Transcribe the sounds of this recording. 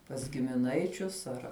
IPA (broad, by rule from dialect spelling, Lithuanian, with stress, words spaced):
pɐs ɡʲɪmʲɪˈnɐɪt͡ʃʲʊs ˈɐr